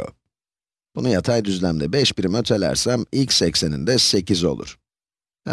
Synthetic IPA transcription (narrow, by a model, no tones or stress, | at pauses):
o̰ | b̥unujat̪ʰajd̪yzlʲæmd̪ɛbɛʃbiɾimøt̪ʰe̞lʲæ̰ɾsæmilʲcsɛcse̞nḭnd̪ɛse̞cizo̞̰lˠṵɾ̥